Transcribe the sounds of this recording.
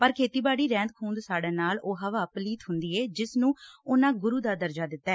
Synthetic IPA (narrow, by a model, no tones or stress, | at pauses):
pəɾkʰeːt̪iːbaːɽiːɾɛ̃ːnd̪̚kʰuːnd̪saːɖaːnaːloːɦəʋaːpliːt̪ɦʊnd̪iːɛːd͡ʒɪsnũːʊnãːɡʊɾuːd̪aːd̪əɾd͡ʒaːd̪ɪt̪ːaɛː